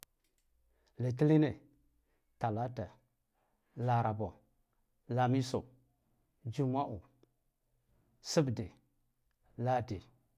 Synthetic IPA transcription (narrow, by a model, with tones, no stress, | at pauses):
le˨ti˦li˦ne˨ | ta˨la˦ta˨ | la˨ɾa˨bo˨ | la˨mi˦so˨ | d͡ʒi˦ma˦ʔu˨ | si˦bde˨ | la˦de˨